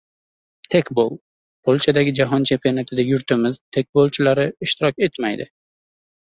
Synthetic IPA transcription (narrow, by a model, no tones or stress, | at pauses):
t̪ʰe̞kʲbo̰lˠ | pʰolʲˠt͡ʃʰad̪aɡʲɪd͡ʒaɦɒnt͡ʃʰe̞mpionat̪ʰɪd̪ajʊɾt̪ʰɪmɪz̥t̪ʰe̞k̚ʲbolˠt͡ʃʰɪlaɾɪɪʃt̪ʰɪɾɒkʲe̞t̪majd̪ɪ̰